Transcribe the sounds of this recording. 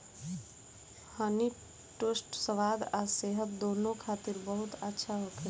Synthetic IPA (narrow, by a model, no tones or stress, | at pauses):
həni | ʈosʈsəʋad̪aseɦət̪̚d̪onokʰat̪iɾbəɦut̪ətːʃʰaɦokʰe